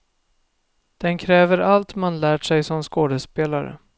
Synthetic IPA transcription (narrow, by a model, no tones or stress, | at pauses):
d̪̥ɛnkʰɾɛːvəɾalt̪manlæːʈʂɛjsɔmskoːd̪əspeːlaɾə̰